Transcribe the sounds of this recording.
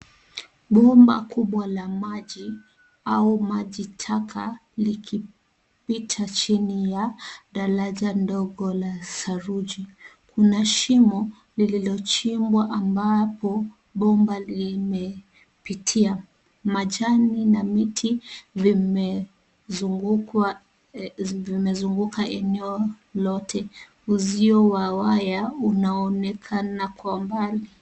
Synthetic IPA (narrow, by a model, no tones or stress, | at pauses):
ɓɔmba̰kuɓwalamaʄi | aumaʄitʰakʰa̰likʰi | pitʰat͡ʃinijaɗaɾaʄandɔɡɔlasaɾuʄi | kunaʃimɔ | lililɔt͡ʃimbwaʔambapɔ | ɓɔmbalimɛ | pitʰia | maʄaninamitʰivim | vimɛzuŋɡukʰaʔɛnɛɔ | lɔtʰɛ | uziɔwawajaunaɔnɛkʰanakwambali